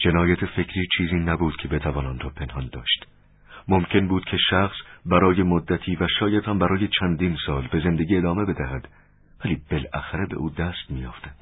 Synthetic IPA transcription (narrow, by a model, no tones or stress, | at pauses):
d͡ʒe̞nɒːjæt̪ʰe̞fe̞kʰɾiːt͡ʃʰiːziːnæbuːd̪̥̚kʰe̞be̞t̪ʰævɒːnɒnrɒːpʰe̞nhɒnd̪ɒːʃt̪ | momcʰe̞nbuːd̪̥cʰe̞ʃæxsbæɾɒːje̞mod̪ːæt̪ʰiːvæʃɒːjæd̪hæmbæɾɒːjet͡ʃʰænd̪iːnsɒːlbe̞ze̞nd̪e̞ɡʲiːe̞d̪ɒːme̞be̞d̪æɦæd̪̥ | væliːb̥elæxæɾebe̞̰ʔuːd̪æst̪mijɒ̰ːft̪æd̪̥